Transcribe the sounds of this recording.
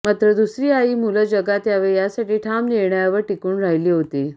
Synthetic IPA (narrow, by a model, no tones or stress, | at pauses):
mat̪ɾəd̪usɾiːaiːmuləd͡ʑəɡat̪jaʋeɭjasaʈiːʈʰamleɳajaʋəɾʈikuːnɾaɦiliːɦot̪e